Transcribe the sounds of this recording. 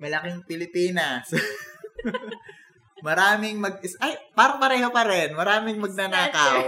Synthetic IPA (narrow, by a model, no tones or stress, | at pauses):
mɐlɐkɪŋpɪlɪpiːnɐs | mɐɾaːmɪŋmɐɡ̚ɪsʔajpaɾɐŋpɐɾɛːɦo̞pɐɾɛnmɐɾaːmɪŋmɐɡ̚nɐnaːkɐw